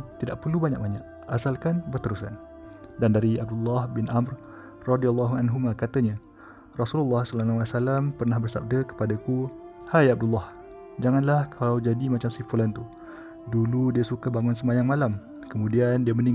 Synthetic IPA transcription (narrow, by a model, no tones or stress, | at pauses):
t̪idaʔ̚pərlubaɲa̰ʔ̚baɲaʔ | ʔasalkanbərt̪əɾusa̰n | dandaɾiab̚dulːahbɪnʔamr | rɔdialːaɦuanɦumakat̪aɲã | rɔsululːɑhsɔlanawasalampərnahbərsa̰b̚dəkə̥padaku | hajab̚dulːɑh | d͡ʒaŋanlahkʰalawd͡ʒadimat͡ʃamsifulant̪u | duludiasukabaŋunsəmajaŋmalam | kəmũdiandiaməniŋ